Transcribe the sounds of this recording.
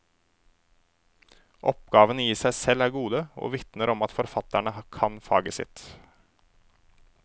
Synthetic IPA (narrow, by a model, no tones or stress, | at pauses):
ʔɔpɡɑːʋənəjiːsæɪsɛlæːɾɡuːd̪əo̰ːʋɪt̪nəɾɔmɑt̪fɔɾfɑt̪æɳəkʰɑnfɑ̰ːɡəsɪ̰t̪